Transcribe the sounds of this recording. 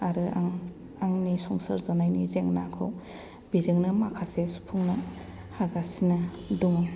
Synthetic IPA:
aɾɯaŋ | aŋnisɔŋsɐɾzanajnizeŋnakʰɯw | bizeŋnɯmakʰasesu̥pʰuŋnɐ | haɡasinɐduŋa

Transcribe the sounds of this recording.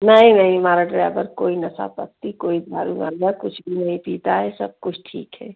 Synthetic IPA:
nəĩnəɦĩmaːɾaɖɾaːbəɾkoːinɐsa̰pək̚t̪ikoːid̪ʱaːɾṵmɐ̰ɾɡakʊt͡ʃʰbʱinɐɦĩpiːt̪aɦɛsɐb̚kʊt͡ʃʰʈʰḭːkɦɛ̰ː

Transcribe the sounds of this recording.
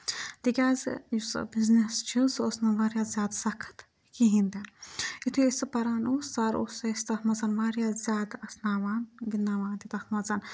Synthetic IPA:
t̪ikʲaːz̰jusbiznest͡ʃʰilsosnɐʋaɾjaːzʲaːd̪sɐkʰɐ̥t̪ | kiɦĩnd̪eit̪ʰuesɨpɐɾaːnoːsːɐɾoːsɐst̪ɐt̪mɐzɐnʋaːɾʲjaːzʲaːd̪ɐsnaːʋaːnɡinːaːʋaːnt̪it̪ɐt̪mɐzɐn

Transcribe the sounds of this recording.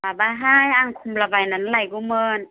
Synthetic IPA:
baːbaːɦaːjʔaŋkʰumlabajnanlajkumɤːn

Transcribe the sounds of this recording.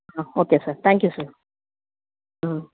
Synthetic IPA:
aokeːsət̪ʰæ̃ŋkjusə

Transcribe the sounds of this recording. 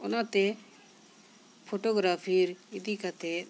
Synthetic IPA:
ɔnat̪ɛ | pʰoʈoɡɾapʰiɾid̪ikat̪ɛ

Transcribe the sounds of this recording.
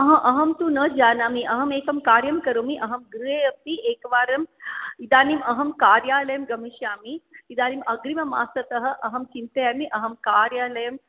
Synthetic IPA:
ɐɦɐ̃ʔɐɦɐmt̪unɐd͡ʒaːnaːmiʔɐɦɐmeːkɐmkaːɾjɐmkɐɾoːmiʔɐɦɐmɡɾueɐpt̪ieːkʋaːɾɐmid̪aːnimɐɦɐmkaːɾjaːlɐjɐmɡɐmiʃjaːmiːd̪aːnimɐɡɾimɐma̰ːsɐt̪ɐɦɐ̆ʔɐɦɐmt͡ʃint̪ɐjaːmiʔɐɦɐmkaːɾjaːlɐjɐm

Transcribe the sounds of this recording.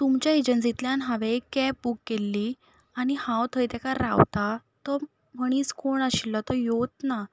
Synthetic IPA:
t̪umt͡ɕjaed͡ʑənt͡sit̪ljãnɦaʋekɛp̚bukːelːiː | añihãwt̪ʰəjt̪akaɾawt̪at̪ɔ | məɽ̃iːt͡skoɳaɕilːɔt̪ɔjot̪na

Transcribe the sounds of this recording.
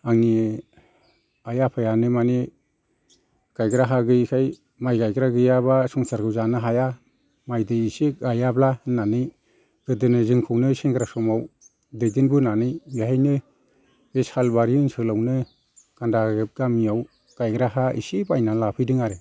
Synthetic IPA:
aŋni | ajapʰajanɯmani | ɡ̥ajɡɾaɦaɡɯkʰaj | majɡajɡɾaɡɯjabasɔŋsaɾkʰɯwzanɯɦaja | majdɯisik̚ajablanːanɯj | ɡ̥ɯdɯnɯzɯŋkʰɯwnɯseŋɡɾasɔmaw | dɯjdɯnbɯnanɯjbihajnɯ | beshalbaɾiɯŋsɯlawnɯ | ɡ̥andaɡɯp̚ɡamijaw | ɡ̥ajɡɾaɦaḭsibajnalapʰɯjdɯŋaɾe

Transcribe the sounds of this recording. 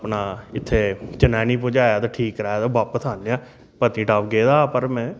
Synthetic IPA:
pnaːɪt̪ʰːeːt͡ʃənaːniːpõːd͡ʒaːjaːt̪aːʈʰiːkɾaaːt̪aːbaːpːəsʰaːneaː | pət̪ĩːʈaːpɡeːd̪aːpəɾmɛ̃ː

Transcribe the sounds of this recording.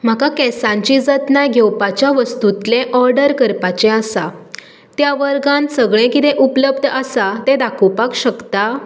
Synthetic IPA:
m̤akakɛsãɲt͡ɕid͡zət̪najɡʱɛwpat͡ɕjaʋəst̪ut̪lẽʔɔɾɖəɾkəɾpat͡ɕẽasa | t̪jaʋəɾɡãnsəɡɭẽkit̪eʔupləb̚d̪ʱəəsat̪ed̪akʰopakɕəkt̪a

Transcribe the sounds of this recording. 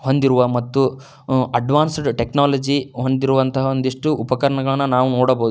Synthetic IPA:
ho̞nd̪iɾuʋɐmɐt̪ːu | ɐɖʋaːnsɖʈeknaːlɐd͡ʒiɦo̞nd̪iɾuʋɐnt̪ɐɦɐond̪iʂʈuʔupɐkɐɾɐɳɐɡɐɭɐnːɐnaːʋunoːɽɐboːd̪u

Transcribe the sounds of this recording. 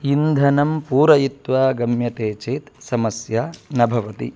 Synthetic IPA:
ind̪ʱɐnɐmpuːɾɐjit̪ʋaːɡɐmjɐt̪eːt͡ʃeːt̪sɐmɐsjaːnɐbʱɐʋɐt̪ḭ

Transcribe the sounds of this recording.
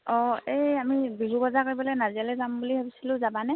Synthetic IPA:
ɔeamibiɦubɔzakoibɔlejnazialɛzambulihobisilʊ̃zabanɛ

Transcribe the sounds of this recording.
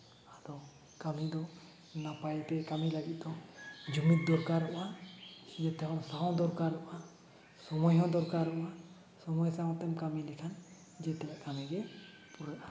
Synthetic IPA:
adɔ | kamid̪ɔ | napajt̪ɛkamilaɡit̪̚d̪ɔd͡ʒumit̪̚d̪ɔɾkaɾːɔʔahiɛt̪ɛkɔnsaɦɔ̃wd̪ɔɾkaɾɔʔa | sɔmɔjɦɔ̃d̪ɔɾkaɾɔʔa | sɔmɔjsawt̪ɛmkamilɛkʰan | d͡ʒɛt̪ɛlɛʔkamiɡɛ | puɾaʔa

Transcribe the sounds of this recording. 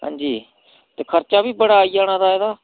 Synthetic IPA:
ɦã̰ːɲd͡ʒiː | t̪eːkʰəɾt͡ʃaːʋiːbəɽaːijaːɽaːd̪aːɛːd̪aː

